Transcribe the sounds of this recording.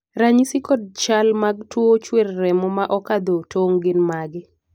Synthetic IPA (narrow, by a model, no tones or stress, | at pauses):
ɾaɲisikɔd̚t͡ʃalmaɡ̚twot͡ʃwerːɛmɔmaʔɔkad̪otʰoŋɡɪnmaɡɪ